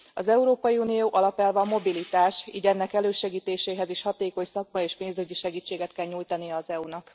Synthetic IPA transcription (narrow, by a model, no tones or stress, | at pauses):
ɒzɛuɾoːpɒjiuːnijoːʔɒlɒpɛlvɒːmo̞bilit̪aːʃḭːɟɛnːɛkɛløːʃɛɡiːt̪eːʃeːɦɛziʃhɒt̪eːko̞ɲsɒk̚mɒjeːʃpeːnzøɟiʃɛɡiːt͡ʃːeːɡɛt̪kɛlɲuːjt̪ɒnijɛːzɛunɒk